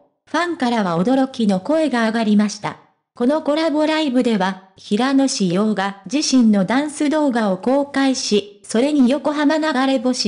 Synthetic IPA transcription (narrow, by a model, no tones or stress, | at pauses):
ɸãŋkaɾaβao̞d̪o̞ɾo̞kʲino̞ko̞e̞ɡaːɡaɾʲimaɕi̥t̪a̰ | ko̞no̞ko̞ɾabo̞ɾaibɯ̟d̪e̞βaçiɾano̞ɕijo̞ːɡad͡ʑiɕĩnːo̞d̪ãɰ̃sɨd̪o̞ːɡao̞ko̞ːkaiɕiso̞ɾe̞ɲ̟ijo̞ko̞ɦamanaɡaɾe̞bo̞ɕi